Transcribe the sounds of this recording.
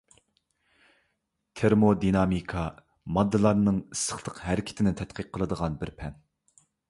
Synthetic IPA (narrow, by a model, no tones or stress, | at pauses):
t̪ʰeɾmod̪inɑmikʰɑ | mɑd̪ːɨlˠɑɾnɨŋisə̥χlˠəqɦɛɾɪkʲʰɪ̥t̪ʰɪnɪt̪ʰɛt̪̚qiqqʰːəlˠəd̪əʁɑnbɪɾpʰɛn